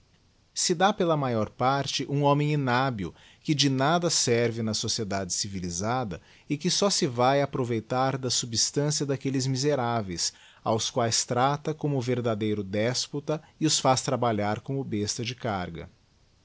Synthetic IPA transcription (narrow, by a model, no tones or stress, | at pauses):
sɪd̪apelɐmajɔɾpaɾt͡ʃɪʔũõmẽj̃inabiʊ̰ | kɪd͡ʒɪnad̪ɐsɛɾvɪnɐsosied̪ad͡ʒɪsivilizad̪ɐ | ɪkɪsɔsɪvajapɾovejt̪aɾd̪ɐsubst̪ɐ̃siɐd̪akelɪzmizeɾavejs | a̰wskwajst̪ɾat̪ɐkõmʊveɾd̪ad̪ejɾʊd̪ɛsput̪ɐiʊsfast̪ɾabaʎaɾkõmʊbest̪ɐd͡ʒɪkaɾɡɐ̰